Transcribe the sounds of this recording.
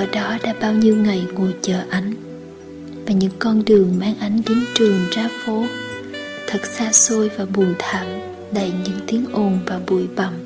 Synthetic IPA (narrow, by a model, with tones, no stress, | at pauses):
ʔəː˧˩ɗɔ˨˦ɗa̰ː˧˥ɓaː˧wɲi˧wŋa˨˩jŋu˨˩jt͡ɕəː˨˩ʔa˨˦jŋ̟ | vaː˨˩ɲɨ̰˧˥ŋkɔ˧nɗɨ˨˩əŋmaː˧ŋʔa˨˦jŋ̟zi˨˦nt͡ɕɨ˨˩əŋzaː˨˦fo˨˦ | t̪ʰə˨˩t̚saː˧so˧jvaː˨˩ɓu˨˩əjt̪ʰaː˧˨˩w | ɗə˧˩jɲɨ̰˧˥ŋt̪i˨˦ənʔo˧˩nvaː˨˩ɓṵ˧˩jɓa˧˩m